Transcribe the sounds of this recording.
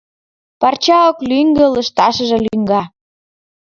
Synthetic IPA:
pɑrt͡ɕɑoklyŋɡə̆lə̆ʃt̪ɑʃə̆ʒɤ̆lyŋɡɑ

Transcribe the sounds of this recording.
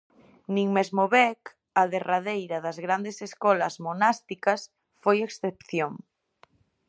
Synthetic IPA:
nĩŋmezmoβɛk | ɐðeraðejɾɐðɐzɣɾand̪eseskɔlɐzmonast̪ikɐs | fojeksθepθjoŋ

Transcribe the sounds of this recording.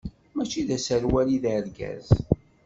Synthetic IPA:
mæt͡ʃːiðæsəɾwæliðɾɡæ̰z

